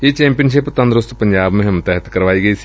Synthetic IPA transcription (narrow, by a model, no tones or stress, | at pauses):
et͡ʃɛ̃ːmpijənʃ̬ɪpt̪ɐ̃nd̪ɾʊst̪pəɲd͡ʒaːbmẽɦmʊt̪ɛɦət̪kəɾʋaːiːɡəiːsi̥